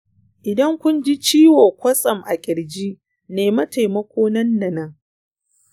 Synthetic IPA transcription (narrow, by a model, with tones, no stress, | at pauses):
ʔɪ˨dɐ˦ŋkʷʊ˦nd͡ʒi˦t͡ʃiː˦woː˨kʷɐ˦sʼɐ˨mʔa˨kʲʼɪ˨ɽd͡ʒi˦ | neː˨mɐ˦ta˨jmɐ˦kʷoː˦nɐ˦nːɐ˨nɐ˦ŋ